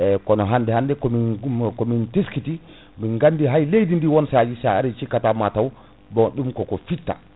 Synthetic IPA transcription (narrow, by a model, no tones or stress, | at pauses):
ɛkɔnɔɦandɛhandɛkɔmikɔminteskiti | minɡandiɦajlejdindiwɔnsad͡ʒisaa̰ɾit͡ʃikːatamataw | bɔɗumkɔkɔfitːa̰